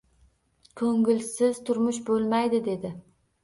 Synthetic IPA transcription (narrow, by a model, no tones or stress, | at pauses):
kʰɵŋɡʲɪlsɪz̥t̪ʰʊɾmʊʃbolˠmajd̪ɪd̪e̞d̪ɪ